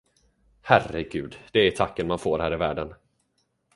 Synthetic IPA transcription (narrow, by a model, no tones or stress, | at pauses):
hærəɡʉ̟ːd̪d̪̥ɛæʈʰakːənmanfoːɾhæːɾɪvæːɖən